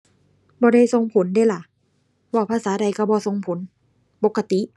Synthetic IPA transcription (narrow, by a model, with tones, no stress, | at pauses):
bɔː˧da˧˩jso˧ŋpʰo˨˦ndaː˧˩˨la˨˩˦ | waː˧˩pʰaː˧˨saː˨˦da˧˩jka˧˩bɔː˧so˧ŋpʰo˨˦n | po˨˧˦kːa˧t̪i˧˦˨ʔ